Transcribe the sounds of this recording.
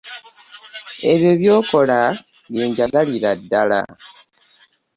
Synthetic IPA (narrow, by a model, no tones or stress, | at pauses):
e̞βjo̞βjo̞ːko̞la | βiːɲɟaɡaliɾadːala̰